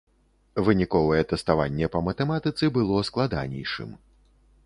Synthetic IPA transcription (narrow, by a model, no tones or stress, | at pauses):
vɨnʲikɔvɐjɛt̪ɛst̪avanʲːɛpɐmɐt̪ɛmat̪ɨt̪sɨbɨlˠɔsklˠad̪a̰nʲɛ̰jʂɨ̰m